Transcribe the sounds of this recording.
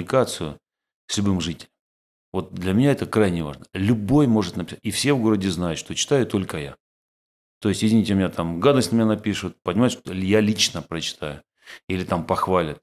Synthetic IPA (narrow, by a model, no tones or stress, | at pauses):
ɪkat̪sɨjʊ | sʲlʲʊbɨmʐɨtʲɪ̥lʲəm | vo̞t̪̚d̪lʲɐmʲɪnʲaɛt̪əkɾajnʲɪva̰ʐnəlʲʊbo̞jmo̞ʐɨt̪nəpʲɪsatʲifsʲe̞vɡo̞ɾədʲɪznajʊt̪ʂt̪o̞t͡ɕɪ̥t̪ajʊt̪o̞lʲkəja | t̪o̞ɪsʲtʲjɪzʲvʲɪnʲitʲɪmʲɪnʲat̪amɡad̪əst̪ʲnəmʲɪnʲanɐpʲiʂʊt̪̚pənʲɪmat̪ʲʂt̪ojalʲit͡ɕnəpɾət͡ɕɪ̥t̪ajʊ | ilʲɪt̪ampɐxvalʲɪt̪̚